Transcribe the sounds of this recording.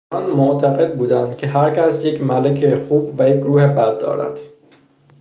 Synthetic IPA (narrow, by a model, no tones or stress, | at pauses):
ɒnmoʔt̪ʰæɣe̞d̪̚buːd̪ænd̪̥̚cʲʰe̞ɦæɾcʰæsjecʰmælecʰexuːbvæjecʰɾuːhebæd̪̚ːɒ̰ːɾæ̰d̪̥